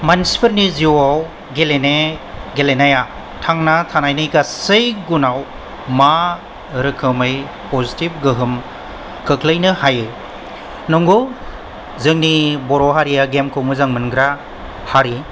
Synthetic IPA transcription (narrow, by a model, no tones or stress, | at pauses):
mansi̥pʰɯɾniziwaw | ɡeleneɡelenaja | tʰaŋnatʰanajnɯjɡasɯjɡunaw | ma | ɾɯkʰɯmɯj | pɔzitip̚ɡɯɦɯm | kʰɯkʰlɯjnɯhajɯ | nɔŋɡu | zɯŋnibɔɾɔɦaɾijaɡemkʰɯwmɯzaŋmɯnɡɾa | haɾi